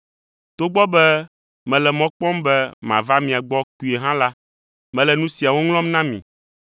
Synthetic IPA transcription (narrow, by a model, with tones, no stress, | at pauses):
t̪o˦ɡ͡bɔ˦bɛ˦ | mɛ̃˨lɛ˨mɔ̃˦k͡pɔ̃˦mbɛ˦mã˨va˦mĩ˨a˨ɡ͡bɔ˦ku˨e˨ɦã˦la˦ | mɛ̃˨lɛ˨nũ˦si˨a˨wo˦ŋl̃ɔ̃˦mnã˦mḭ̃˨